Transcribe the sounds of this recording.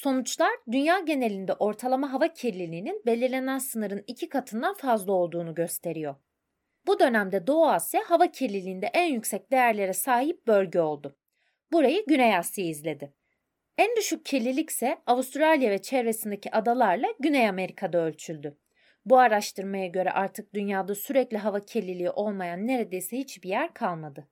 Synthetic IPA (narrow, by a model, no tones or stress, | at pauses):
so̞nut͡ʃlˠaɾd̪ynjaːɟe̞ne̞lʲind̪ɛʔo̞ɾt̪ʰalˠamaɦavacʰiɾlʲilʲiːninbe̞lʲiɾlʲe̞nænsɯnɯɾɯnicʰikʰat̪ʰɯnd̪anfazlˠao̞lˠd̪uːnuɟø̞st̪ʰe̞ɾijo̞ɾ | bud̪ø̞næmd̪ɛd̪o̞asjaɦavacʰiɾlʲilʲiːnd̪ɛʔænjycsɛc̚d̪ejæɾlʲe̞ɾɛsaːɦip̚bø̞lʲɟɛo̞lˠd̪ʊ | buɾajɯɟynejasijaizlʲe̞d̪ɪ | ænd̪yʃyc̚cʰe̞lʲilʲicsɛavust̪ɾalʲijavɛt͡ʃʰɛɾvesind̪ecʰiʔad̪alˠaɾlˠaɟynejame̞ɾikʰad̪aølʲt͡ʃʰylʲd̪ʏ | buaɾaʃt̪ʰɯɾmajaɟø̞ɾɛ̰ʔaɾt̪ʰɯk̚d̪ynjaːd̪asyɾɛclʲiɦavacʰe̞lʲilʲiiʔo̞lˠmajanːe̞ɾe̞d̪e̞jsɛhit͡ʃbijæɾkʰalˠmad̪ɯ